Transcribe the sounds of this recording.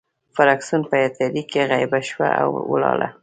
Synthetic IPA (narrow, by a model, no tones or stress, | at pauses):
faɾɑksunpəjat̪aɾikeɣajbaʃwa̰ʔa̰wwəlɑla̰